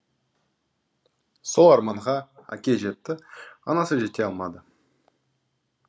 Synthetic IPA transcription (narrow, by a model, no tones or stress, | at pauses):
so̞lˠɑɾmɑɴʁɑæ̰kʲe̞ʒe̞t̪ːɪɑ̰nɑsəʒe̞t̪e̞ɑlˠmɑd̪ə